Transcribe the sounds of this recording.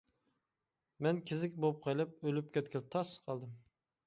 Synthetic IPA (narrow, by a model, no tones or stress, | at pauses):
mɛnkʲʰɪzɪkʲbop̚qʰəjlˠɨp̚ølyp̚kʲʰɛt̪̚kʲʰɪl̚t̪ʰɑsqʰɑlˠd̪ɨm